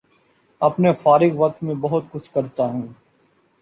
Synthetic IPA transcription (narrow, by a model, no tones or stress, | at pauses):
ɐpnefaːɾɪɡʋɐk̚t̪mẽbɐɦʊt̪̚kʊt͡ʃʰkɐɾt̪aɦɛ̃ː